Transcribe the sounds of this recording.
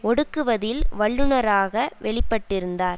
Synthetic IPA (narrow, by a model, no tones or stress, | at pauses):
ɔɽɯkːɯʋɐðɪlʋɐɭːɯnɐɾaːɣɐʋɛɭɪpːɐʈːɪɾɯnd̪aːɾ